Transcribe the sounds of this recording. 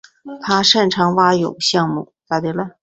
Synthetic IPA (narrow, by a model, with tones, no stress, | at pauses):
t̪ʰa˥ʂə˥˩nʈ͡ʂʰɑ˧˥ŋwa˥jo˨˩ʊɕjɑ˥˧ŋmu˥˩t̪a˧˩t̪e˥˩lə˥˩